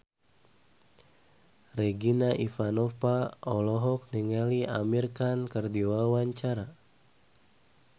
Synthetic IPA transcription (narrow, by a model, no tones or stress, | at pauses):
rɛɡinaʔifanɔfaɔlɔɦɔk̚niŋɛliʔa̰mirkankərdiwawaɲt͡ʃaɾa